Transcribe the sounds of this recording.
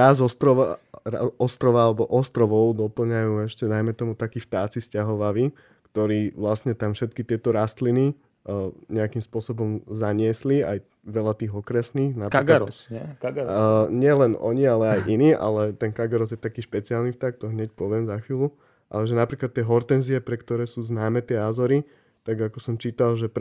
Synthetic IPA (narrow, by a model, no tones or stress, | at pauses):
ɾaːzɔst̪ɾɔʋaa̰ɔst̪ɾɔʋaalɛbɔʔɔst̪ɾɔʋɔʊd̪ɔpl̩ɲajuːɛʃcɛd̪ajmɛt̪ɔmut̪akiːft̪aːt͡siscaɦɔʋaʋi | kt̪ɔɾiːʋlastɲɛt̪amfʃɛt̪kit̪ɪɛt̪ɔɾast̪lini | ɲɛakimspʊɔsɔbɔmzaɲɪɛsliaj | ʋɛlat̪iːɣɔkɾɛsniːxnapɾaklasɛkaɡɲɪɛlɛnɔ̰ɲialɛajʔiniːʔa̰lɛt̪ɛnkaɡaɾɔzjɛt̪akiːʃpɛt͡siaːlnift̪aːk̚t̪ɔɦɲɛc̚pɔʋɪɛmzaxʋiːlu | ʔa̰lɛʒɛnapɾiːklat̪ːɪɛɦɔɾt̪ɛnziɛpɾɛkt̪ɔɾɛːsuːznaːmɛt̪ɪɛaːzɔɾi | t̪aɡakɔsɔmt͡ʃiːt̪alʒɛp